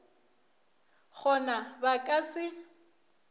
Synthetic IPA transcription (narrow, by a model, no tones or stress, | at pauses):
χɔnabakʼasɪ